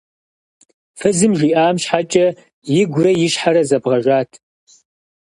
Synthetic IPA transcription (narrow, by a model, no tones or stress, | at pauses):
fɐzɨmʒiːʔaːmɕħat͡ʃʼɐ | jɪɡʷrɐjɪɕħaɾɐzɐbʁɐʒʷaːtʰ